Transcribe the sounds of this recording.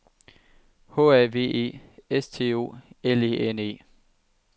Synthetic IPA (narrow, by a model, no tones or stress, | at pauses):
hɔ̰ːæɐʋe̝̰ːe̝̰ːest͡sʰe̝̰ːo̝̰ːeliʔene̝̰ː